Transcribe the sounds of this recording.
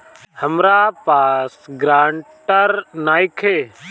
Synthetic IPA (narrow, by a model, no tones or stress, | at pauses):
həmɾaːpaːsɡɾaːɳʈəɾnaːɪkʰeː